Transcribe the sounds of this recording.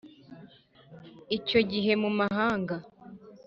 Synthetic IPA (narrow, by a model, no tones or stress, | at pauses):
ico̞ɟiɦe̞mumaɦaːŋɡa